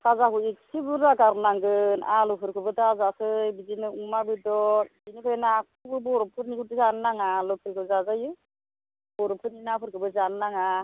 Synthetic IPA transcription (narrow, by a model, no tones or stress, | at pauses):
sʰazaɦuik̚sibɯɾaɡaɾnaŋɡɯnalɔpʰɯɾkʰɯbɯtazasɯjbizinɯumabɯdɔbinɯpʰejnakʰɯbɯbɔɾɔpʰɯɾnikudizanːaŋalɔpʰɯɾkʰɯzazajɯ | bɔɾɔpʰɯɾninapʰɯɾkʰɯbɯzannaŋa